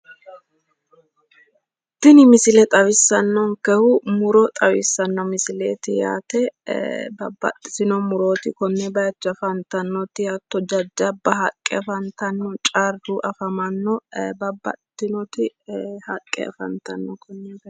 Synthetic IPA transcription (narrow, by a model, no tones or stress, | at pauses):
t̪ːɪnɪmɪsɪlɛt̪ʼɐwɪsːɐnːɔŋkɛhʊmʊɾɔt̪ʼɐwɪsːɐnːɔmɪsɪlḛːt̪ɪja̰ːt̪ɛbɐbːɐ̰t̪ʼːɪ̥sɪnɔmʊɾo̞ːt̪ɪkɔnːɛbɐjɐt͡ʃːɐfɐnt̪ːɐnːɔt̪ːɪjat̪ːɔd͡ʒɐd͡ʒːɐbːɐɦɐkʼːɛ̰ɐfɐnt̪ɐnːɔt͡ʃʼaɾd̪uʔɐfɐmɐnːɔbɐbːɐ̰t̪ːɪnɔt̪ɪhɐkʼːɛ̰ɐ̰fɐ̰nt̪ɐnːɔkʰɔnːɛb